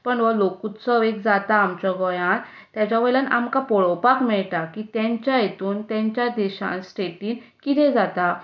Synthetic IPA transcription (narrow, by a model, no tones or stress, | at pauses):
pəɳʋəlokut̪t͡sɔʋeɡd͡zat̪aːmt͡ɕɔɡɔjãn | t̪jat͡ɕaʋelanamkapɔɭɔwpakmɛɭʈ̪akit̪jãɲt͡ɕjajet̪uːnt̪jãɲt͡ɕjad̪eɕã̰nsʈeʈiːnkit̪ɛ̃d͡zat̪a